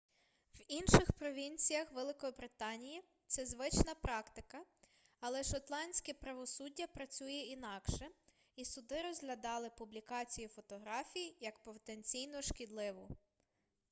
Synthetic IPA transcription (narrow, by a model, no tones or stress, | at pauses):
winʃɪxpɾɔʋʲinʲt͡sʲijɐxʋɛlˠɪkɔbɾɪt̪ɑnʲiji | t̪sɛzʋɪt͡ʃnɐpɾɑkt̪ɪkɐ | ɐlˠɛʃɔt̪lˠɑnʲsʲkʲɛpɾɐʋɔsudʲːɐpɾɐt͡sʲujɛinɑkʃɛ | isʊd̪ɪɾɔzɦlʲɐd̪ɑlˠɪpublʲikɑt͡sʲijufɔt̪ɔɦɾɑfʲijijɐkpɔwt̪enʲt͡sʲijnɔʃkʲid̪lˠɪʋʊ